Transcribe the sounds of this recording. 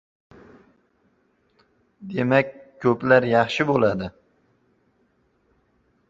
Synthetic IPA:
d̪e̞makʲʰːɵplaɾjɑχʃɪbolˠad̪ɪ

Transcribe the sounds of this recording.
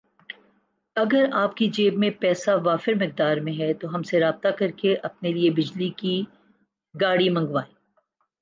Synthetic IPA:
ɐɡəɾaːpkid͡ʒeːbmẽpɛːsaʋaːfɪɾmɪq̚d̪aːɾmẽɦɛt̪oɦɐmseɾaːb̚t̪akɐɾkeʔɐp̚neliebɪd͡ʒliki | ɡaːɽimɐ̃ŋɡʋaːẽː

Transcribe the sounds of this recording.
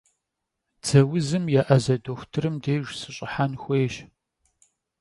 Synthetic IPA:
d͡z̥ɐwʊzɨmjaʔɐzɐdoxʷtʰɨɾɨmdeːʒsɨɕʼɪħanxʷeːʃ

